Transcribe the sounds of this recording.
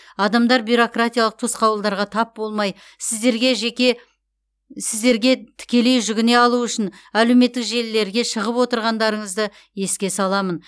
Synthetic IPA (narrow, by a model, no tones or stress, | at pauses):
ɑd̪ɑmd̪ɑɾbyɾo̞krat̪ijalˠəq̚t̪ʰosqɑwəlˠd̪ɑɾʁɑt̪ʰɑp̚bo̞lˠmɑj | sɪzd̪e̞ɾɡʲe̞ʒe̞kʲe̞ | sɪzd̪e̞ɾɡʲe̞t̪ʰɪ̥kʲe̞le̞jʒʏɡʲɪne̞ɑlˠuʏʃɪnæle̞wme̞t̪ːɪkʒe̞lːe̞ɾɡʲe̞ʃəʁəpwo̞t̪əɾʁɑnd̪ɑɾəɴəzd̪ə | je̞skʲe̞sɑlˠɑmən